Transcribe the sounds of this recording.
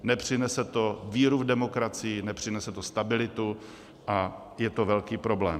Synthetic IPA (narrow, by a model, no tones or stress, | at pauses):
nɛpr̝̥ɪnɛsɛt̪o̞viːɾuvdɛmo̞kɾat͡sɪjɪnɛpr̝̥ɪnɛsɛt̪ost̪abɪlɪt̪u | ʔa | jɛt̪ovɛlkiːpɾo̞blɛː